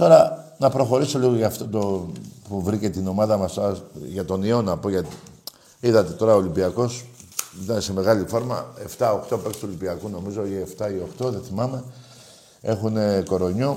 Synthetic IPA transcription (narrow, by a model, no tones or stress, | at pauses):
t̪o̞ɾɐnɐpɾo̞xo̞ɾiso̞liɣoʝɐft̪o̞t̪opuvɾice̞t̪ino̞mɐðɐmɐst̪oɐʝɐt̪o̞nio̞nɐpo̞ʝɐt̪i | iðɐt̪e̞t̪o̞ɾɐoːlimbiɐko̞sit̪ɐnese̞me̞ɣɐlifo̞ɾmɐ̰e̞ft̪ɐo̞xt̪o̞pe̞ksi̥t̪uolibiɐkuno̞mizo̞ieft̪ɐio̞xt̪o̞ðe̞θimɐme̞ | e̞xune̞ko̞ɾo̞ɲo